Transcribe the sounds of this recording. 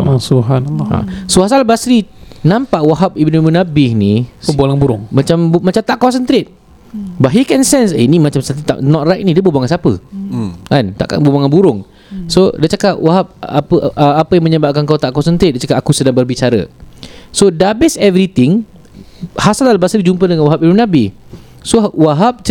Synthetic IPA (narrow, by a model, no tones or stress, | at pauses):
asubɦanalːa̰sohasalbasɾinãmpaʔwaɦap̚ibnumũnabɪhniəbalaŋbuɾʊŋmat͡ʃambmat͡ʃamt̪aʔkɔsənt̪ɾet̪̚ | baɦikɛnsɛnsenimat͡ʃamsat̪it̪a̰ʔnɔt̪̚rajk̚nidibubaŋansapə | kant̪a̰ʔka̰nbubaŋanbuɾʊŋ | sodət͡ʃakaʔ̚waɦap̚a̰pəʔapəjãŋməɲəbaʔkankat̪aʔkɔsənt̪ɾet̪̚dət͡ʃakap̚akusədaŋbərbit͡ʃaɾə̰ | sodabɪsɛvɾit̪ɪŋ | hasalalabasədid͡ʒumpədəŋanwaɦap̚iunabɪh | sowaɦap̚t͡ʃ